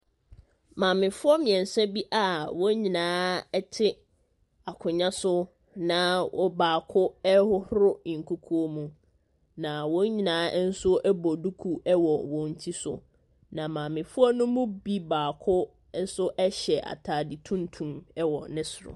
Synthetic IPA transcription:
mã˨mɪ̃˨fʊ˦ɔ˦mɪ̃˨ɛ̃˨n˨sɛ˦bi˦ʔa˨wɔ˦ɲĩ˨nãː˨˦ɛ˦tʰɪ˦ | a˨kʰʊ̃˨ɲã˦sʊ˦ | nã˨wʔɔ˦baː˨kʰʊ˦ɛ˦hʊ˦hʊ˦ɾʊ̃˦˨ŋ̩˨kʰu˦kʰu˦o˦mũ˨ | nã˨wɔ̃˦ɲĩ˨nãː˨˦n̩˦sʊ˦ʔɛ˦bɔ˨du˦kʰu˦ɛ˦wɔ˨wɔ̃˨n̩˦tʰi˦sʊ̰˨ | nã˨mãː˨mɪ̃˨fʊ˦ɔ˦nʊ̃˦mʊ̃˦bi˦baː˨kʰʊ˦ | n̩˦sʊ˦ʔɛ˦ɕɛ˨ʔa̰˨tʰaː˨dɪ˨tʰũ˦ntʰũ˨mɛ˦wɔ˨nɪ̃˦sʊ˨ɾʊ̰˨

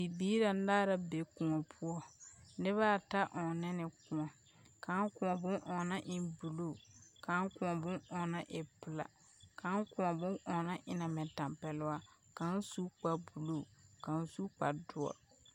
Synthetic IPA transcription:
bi˨biː˦ɾa˨˦daː˦ɾa˦be˨kʊ˨ŋɔ˨pʰʊ˦ɔ˦nɪ˦βa˦˨ta˦ʔɔ˨nɪ˦nɪ˨kʊ˨ŋɔ˨ | ka˨˦ŋkʊ̃˨ɔ˨bʊ˦nʔɔ˨na˦ʔɪ˨mbu˨lo˦˨ka˨˦ŋ˦kʊ˨ŋɔ˨bʊ̃˦ʔɔ˨na˦ʔɪ˨pʊ˨la̰˨ | ka˨˦ŋkʊ̃˨ŋɔ˨bʊ̃˦ŋʔɔ˨na˦ʔɪ˨na˨mɛ˨ta˨mpɛ˨lʊ˦wa˦ | ka˨n˦su˦k͡pa˨bu˨lo˦˨ka˨n˦su˦k͡pa̰˨dʊ˦ɔ̰˨

